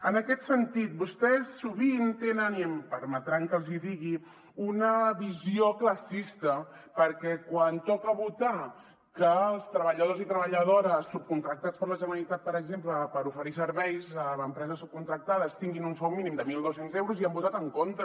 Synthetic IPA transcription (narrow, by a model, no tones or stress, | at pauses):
ənəkɛt̪sənt̪it̪̚bust̪ɛsːuβint̪enəniəmpəɾmət̪ɾaŋkəlˠziðiɣ̞i | unəβiziokləsist̪ə | pəɾkɛkwant̪ɔkəβut̪a | kəlˠst̪ɾəβəʎəðozit̪ɾəβəʎəð̞oɾəsːup̚kunt̪ɾək̚t̪att͡spəɾləʒənəlit̪at̪̚pəɾəɡzempləpəɾufəɾisəɾβɛjzəəmpɾɛzəsːup̚kunt̪ɾək̚t̪aðəst̪iŋɡinunsɔwminimd̪əmilˠd̪osenzewɾuziambut̪at̪əŋkont̪ɾə